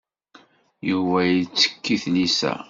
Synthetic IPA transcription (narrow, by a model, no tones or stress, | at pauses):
juvæjit͡sːə̥kːiθnisæ̰